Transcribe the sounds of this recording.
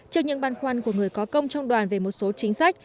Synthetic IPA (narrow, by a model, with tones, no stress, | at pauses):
t͡ɕi˧ɲɨ̰˧˥ŋɓaː˧˩nxwa˧nku˧˩əŋɨ˨˩əjkɔ˨˦kə˧wŋ͡mt͡ɕwŋ͡mɗwaː˨˩nve˨˩mo˨˩t̚so˨˦t͡ɕï˨˦ŋ̟sa˦˥jk̟̚